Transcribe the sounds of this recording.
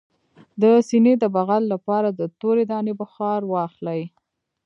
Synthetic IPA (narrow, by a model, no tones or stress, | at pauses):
d̪əsined̪əbaɣalːapɑɾad̪ət̪oɾed̪ɑnebəxɑɾwɑxlaj